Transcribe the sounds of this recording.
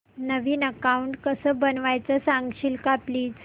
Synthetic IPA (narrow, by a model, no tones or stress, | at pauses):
nəʋiːnəkauɳʈkəsəːbənʋajt͡səsãŋɡɕiːlkapliːd͡z